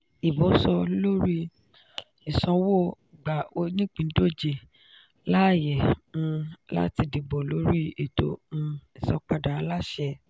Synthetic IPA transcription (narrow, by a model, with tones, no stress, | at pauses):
i˨bɔ˨˦sɔ˧lo˦ɾi˦ | i˨sɔ̃˨˧wo˦˨ | ɡ͡ba˨o˧nĩ˦k͡pĩ˨˦do˦˨d͡ʒe˧ | la˦˨jɛ̃˨˧ | la̰˦ti˧di˧bo˨lo˦ɾi˦e˨to̰˨˦ũ˧i˨sɔ̃˧k͡pa˧da˨˧la˦ʃɛ˧